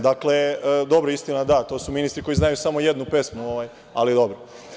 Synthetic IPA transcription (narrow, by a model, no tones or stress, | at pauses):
d̪akled̪o̞bɾoist̪inad̪at̪o̞ːsuminist̪ɾiko̞jiznajusamo̞je̞d̪nupe̞smmuoʋaj | a̰lid̪o̞bɾo